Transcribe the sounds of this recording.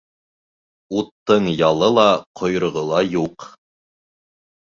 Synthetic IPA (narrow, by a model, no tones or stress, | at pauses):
ut̪ːɤɴjɑlˠɤlˠɑqʰŏjɾŏʁɤ̆lˠɑjuq